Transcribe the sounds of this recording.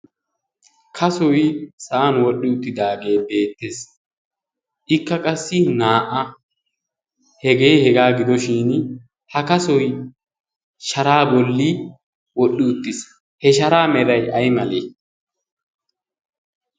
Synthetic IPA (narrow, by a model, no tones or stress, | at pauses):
kʰɐsɔjsɐːnwɔɗːɪʊt̪ːɪd̪aːɡe̞ːbe̞ːt̪ːeːs | ʔɪkːɐkʼɐsːɪnaːʔɐ | hɛɡeːhɛɡaːɡɪd̪ɔʃiːn | hɐkɐsɔj | ʃɐɾaːbɔlːi | wɔɗːɪʊt̪ːɪs | hɛʃɐɾaːmɛɾɐjɐjmɐlḛː